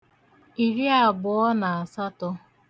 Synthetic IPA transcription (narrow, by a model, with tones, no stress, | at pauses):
i˨ɾi˦a˨ɡ͡bʊ˨ɔ˦na˨a˨sa˦tɔ˦